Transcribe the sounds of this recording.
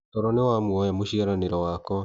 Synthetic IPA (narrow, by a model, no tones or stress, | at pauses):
tɔɾɔnewamwɔjamoɕiaɾaneɾɔwakɔ